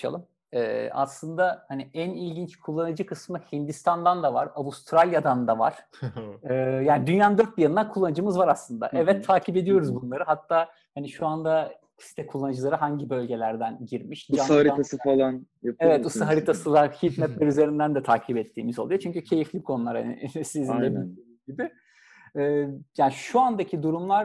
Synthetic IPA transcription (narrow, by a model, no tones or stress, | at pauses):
ʃa̰lˠɯm | ɛ̰ːa̰slˠɯnd̪ahaniænilʲɟint͡ʃkʰulˠːanɯd͡ʒɯkʰɯsmɯhind̪ist̪ʰand̪and̪ava̰ɾabust̪ʰɾalʲjad̪and̪ava̰ɾ̥ | ɯːjaːnid̪ynjaːnd̪øɾt̪̚bijanɯnd̪ankʰulˠːanɯd͡ʒɯmɯzvaɾaslˠɯnd̪a̰ʔɛvɛt̪ʰːaːcʰibe̞d̪ijo̞ɾuzbunlˠaɾɯɦat̪ʰːaː | haniʃuand̪ḁ | si̥t̪ʰɛkʰulˠːanɯd͡ʒɯlˠaɾɯɦaɲɟibø̞lʲɟe̞lʲæɾd̪ænɟiɾmiʃd͡ʒsanhaɾiasɯfalˠanjapevɛt̪usaɦaɾit̪ʰasɯlˠaçit̪mɛp̪lʲɛɾyze̞ɾind̪ænd̪ɛt̪ʰaːcʰibɛt̪ʰːiːmizo̞lˠujot͡ʃʰyɲcycʰe̞jiflʲikʰo̞nulˠaɾa̰nḭsizinʲɛbioiibɪː | jaːniʃuand̪acʰid̪uɾumlˠaɾ